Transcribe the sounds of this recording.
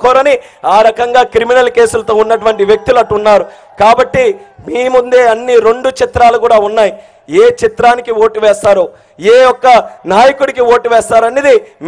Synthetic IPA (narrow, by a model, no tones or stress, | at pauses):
kɔːɾɐni | aːɾɐkɐŋɡaːkɾiminɐlke̞ːsulɐt̪o̞ːunːɐʈuʋɐɳʈiʋjek̚t̪ulɐʈːunːaːɾu | kaːbɐʈːimiːmund̪e̞ːɐnːiɾe̞ɳɖut͡ʃit̪ɾaːlukuːɽaːunːaːji | eːt͡ʃit̪ɾaːnikio̞ːʈiʋɛːst̪aːɾoː | eːjɔkːɐnaːjɐkuɽikioːʈiʋɛːst̪aːɾɐned̪im